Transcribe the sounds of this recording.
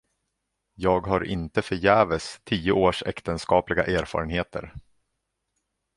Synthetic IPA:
jɑːɡɦaɾʔɪ̰nt̪əfœɾjæːvəst̪ʰiːʊoːʂɛ̰kt̪ənskɑːplɪɡa̰ʔeːɾfɑ̰ːɾənɦeːt̪ʰə̰ɾ

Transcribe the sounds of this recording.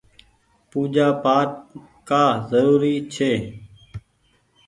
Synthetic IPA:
puːd͡ʒaːpaːʈ̚ | kaːzəɾuːɾiːt͡ʃʰeː

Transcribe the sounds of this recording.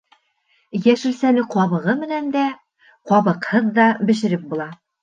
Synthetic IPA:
jæʃɘ̆lsænɘqɒβɤ̆ʁɤmɘ̆nænd̪æ | qɒβɤ̆qhɤðd̪ɑbɘ̆ʃɘ̆ɾɘp̚bulˠɑ

